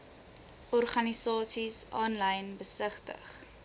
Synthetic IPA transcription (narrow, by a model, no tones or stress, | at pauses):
ʔɔrχɐnisɑːsisʔɑːnlɐjnbəsəχtə̰χ